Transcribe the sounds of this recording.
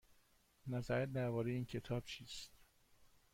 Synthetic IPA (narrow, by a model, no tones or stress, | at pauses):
næzæɾæt̪̚d̪æɾvɒːɾejiːncʰe̞t̪ʰɒːb̥̚t͡ʃʰiːst̪